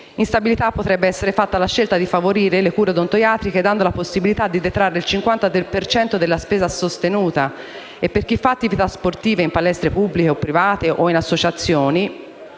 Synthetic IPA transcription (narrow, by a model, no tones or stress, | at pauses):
inst̪abilit̪apːot̪ɾɛbːeɛsːeɾefat̪ːalaʃːelt̪ad̪ifavoɾiːɾelekuːɾed̪ont̪ojaːt̪ɾiked̪and̪olaposːibilit̪ad̪ːid̪et̪ɾarːeilt͡ʃiŋkwant̪ad̪elpert͡ʃɛnt̪od̪elːaspɛːzasost̪enuːt̪a | epːerk̟ifːaːt̪ːivit̪asport̪iːveimpalɛst̪ɾepubːlikeopːɾivaːt̪eʔoinasːot͡ʃat̪sːjoːni